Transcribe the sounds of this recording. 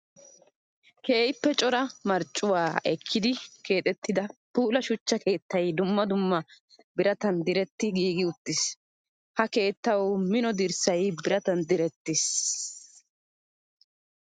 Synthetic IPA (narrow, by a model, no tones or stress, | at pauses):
ke̞ːjpːɛt͡ʃʼɔɾɐmɐɾt͡ʃʼːʊwaːɛkʰːɪd̪ɪke̞ːt̪ʼɛt̪ːɪd̪ɐpuːlɐʃʊt͡ʃːɐkʰe̞ːt̪ːɐjd̪ʊmːɐd̪ʊmːɐ | bɪɾɐt̪ɐnd̪ɪɾɛt̪ːɪɡiːɡɪʊt̪ːɪs | hɐke̞ːt̪ːɐwmɪnɔd̪ɪɾsɐjbɪɾɐt̪ɐnd̪ɪɾɛt̪ːɪs